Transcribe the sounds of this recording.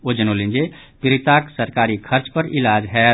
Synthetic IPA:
od͡ʒənolĩnd͡ʒe | piɾit̪aksəɾkaɾikʰəɾt͡ʃpəɾilad͡ʒɦɛ

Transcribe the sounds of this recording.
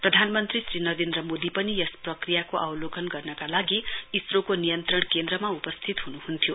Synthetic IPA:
prʌd̪ʱanmʌnt̪risrinʌɾend̪rʌmod̪ipʌnijʌsprʌkrijakoʔawlokʰʌnɡʌrnʌkalaɡiisrokonijʌnt̪rʌɳkend̪rʌmaupʌst̪ʰit̪ɦunuhunt̪ʰjo

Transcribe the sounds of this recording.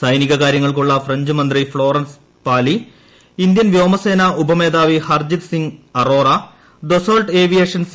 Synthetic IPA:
sɐjniɣɐkaːɾjɐŋːɐɭkuɭːɐfreɲd͡ʑɨmɐnd̪rifɭo̞ːrɐns | paːli | ind̪jɐnʋjo̞ːmɐse̞ːnɐʔubʱɐme̞ːd̪aːʋihɐrd͡ʑit̪siŋɡɐro̞ːrɐ | d̪osoːɭʈe̞ːʋijeːʂɐns

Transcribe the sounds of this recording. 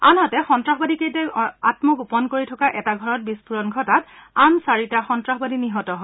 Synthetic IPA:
a̰natɛxɔntɹaxbadikejtɛatmɔɡupɔnkoɹitʰɔkaʔɛtaɡʱɔɹɔt̚bispuɹɔnɡʱɔtatansaɹitaxɔntɹaxbadiniɦɔtɔɦɔ

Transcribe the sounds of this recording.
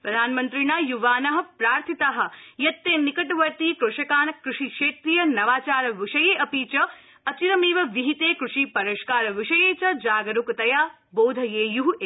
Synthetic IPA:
pɾɐd̪ʱaːnmɐnt̪ɾinaːjuʋaːnɐɦɐ̆pɾaːɾt̪ʰit̪aɦɐ̆jɐt̪ːeːnikɐʈʋɐɾt̪ikɾuʂɐkaːnɐkɾuʂikʂeːt̪ɾijɐnɐʋaːt͡ʃaːɾɐʋiʃɐjeːʔɐpiːt͡ʃɐ | ɐt͡ʃiɾɐmiːʋɐʋiɦit̪eːkɾuʂipɐɾɐʃkaːɾɐʋiʃɐjeːt͡ʃɐd͡ʒaːɡɐɾukt̪ɐjaː | boːd̪ʱɐjeːjuɦe

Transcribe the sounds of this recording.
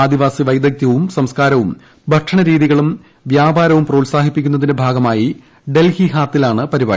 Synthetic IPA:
aːd̪iʋaːsiʋɐjd̪ɐk̚t̪jɐʋumsɐmskaːɾɐʋum | bʱɐʈʂɐɳɐɾiːðiɣɐɭum | ʋjaːbaːɾɐʋumproːlsaːɦipːikʲːun̪ːɐðinebʱaːɡɐmaːji | ɖe̞lhiɦaːt̪ːilaːɳɨpɐɾibaː

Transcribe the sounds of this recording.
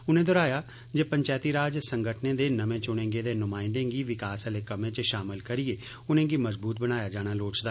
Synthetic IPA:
ʊnẽːd̪ɔːɾaːjaː | d͡ʒeːpəɲt͡ʃaːt̪iːɾaːd͡ʒsəŋɡəʈʰneːd̪eːnəmẽːt͡ʃʊnẽːɡeːd̪eːnʊmaːɪ̃nd̪ẽːɡiːʋɪkaːsəleːkəmẽːt͡ʃʃaːmɪlkəɾieː | ʊnẽːɡiːməzbuːt̪̚bəñaːjaːd͡ʒaːɽ̃aːloːt͡ʃd̪aː

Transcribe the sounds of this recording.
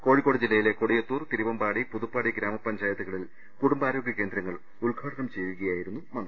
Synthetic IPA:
ko̞ːɻikːoɽɐd͡ʑilːɐjile̞koɽijɐt̪ːuːrt̪iɾiʋɐmbaːɽipuðupːaːɽiɡɾaːmɐpːɐɲd͡ʑaːjɐðuɣɐɭil | kuɽumbaːɾo̞ːɡʱʲjɐkʲːe̞ːnd̪ɾɐŋːɐɭ | ulɡʱaːɽɐnɐmt͡ɕejʋuɣɐjaːjiɾunːumɐnɐ

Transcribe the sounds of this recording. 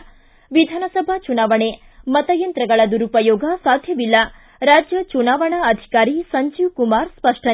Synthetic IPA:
ʋid̪ʱaːnɐsɐbʱat͡ʃunaːʋɐɳe | mɐt̪ɐjɐnt̪ɾɐɡɐɭɐd̪uɾupɐjoːɡʱɐsaːd̪ʱjɐʋilːɐ | ɾaːd͡ʒjɐt͡ʃunaːʋɐɳaɐd̪ʱi̥kaːɾisɐɲd͡ʒiʋkumaːɾspɐʂʈɐ

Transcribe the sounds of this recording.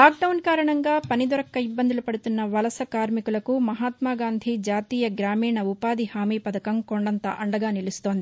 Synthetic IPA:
laːk̚ɖɐwnkaːɾɐɳɐŋɡaːpɐnid̪ɐɾɐkːɐibːɐnd̪ulupɐɽut̪unːɐʋɐlɐsɐkaːɾmikulɐkumɐɦaːt̪maːɡaːnd̪ʱid͡ʒaːt̪iːjɐɡɾaːmiːɳɐupaːd̪ihaːmiːpɐd̪ɐkɐmkoɳɖɐnt̪ɐ̰ʔɐɳɖɐɡaːnilust̪o̞ːnd̪i

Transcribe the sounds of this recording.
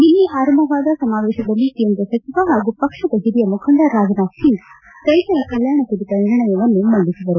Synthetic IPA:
ninːiʔaːɾɐmbʱɐʋaːd̪ɐsɐmaːʋeːʃɐd̪ɐlːit̪ijɐnd̪ɾɐsɐt͡ʃiʋaɦaːɡupɐkʂɐd̪ɐɦiɾijɐmukʰɐnd̪aːɾːaːd͡ʒɐnaːʃin | t̪ɐjt̪ɐɾɐkɐljaːɳɐkuɽit̪ɐniɾɐɳɐjɐʋɐnːumɐɳd̪isiʋ̪ɐɾu

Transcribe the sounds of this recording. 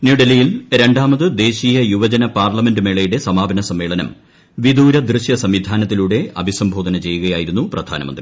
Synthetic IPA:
njuɖɐlijilɾe̞ɳɖaːmɐðɨd̪e̞ːɕiːjɐjuʋɐd͡ʑɐnɐpaːrlɐme̞ndɨmeːɭɐjuɽe̞sɐmaːbʱɐnɐsɐmːe̞ːɭɐnɐ̰m | ʋid̪uːɾɐd̪rɨɕjɐsɐmʋid̪ʱaːnɐt̪ːiluːɽe̞ɐbʱisɐmbʱo̞ːd̪ʱɐnɐt͡ɕe̞jːuɣɐjaːjiɾunːuprɐd̪ʱa̰ːnɐmɐnd̪ri

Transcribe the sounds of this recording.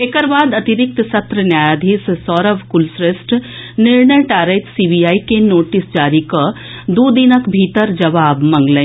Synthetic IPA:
ekəɾbaːd̪ɐt̪ɪɾɪk̚t̪sɐt̪ɾənjaːjad̪ʱissɔːɾəʋkʊlsɾesʈnɪɾɳəjʈaːɾeːʈ̪siːbijaːikenoːʈɪsd͡ʒaːɾika | d̪oːd̪inəkbʱiːt̪əɾd͡ʒɐʋaːbmɐ̃ŋɡlẽ

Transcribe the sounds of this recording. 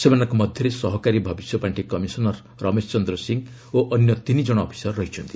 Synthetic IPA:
semanaŋkomɔd̪ʱjɔɾesɔɦɔkaɾibʱɔbisjɔpaɳʈikɔmisɔnɔɾ | ɾɔmest͡ʃɔnd̪ɾɔsiŋ | oʔɔnjɔt̪inid͡ʒɔɽ̃ɔːpʰi̥sɔrːɔɦit͡ʃʰɔnt̪i

